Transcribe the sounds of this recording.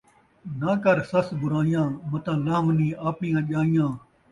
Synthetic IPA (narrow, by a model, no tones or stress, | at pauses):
naːkɐɾsɐsbʊɾaːijãːmɐt̪ãːlaːmniːʔaːpnĩjãːʄaːijãː